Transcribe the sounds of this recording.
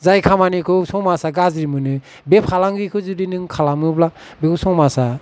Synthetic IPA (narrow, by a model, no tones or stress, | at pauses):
zajkʰamanikʰɯsɔŋmasaɡazɾimɯnɯ | bepʰalaŋɾikʰɯzɯdinɯŋkʰalamɯbla | bekʰɔsɔŋmasa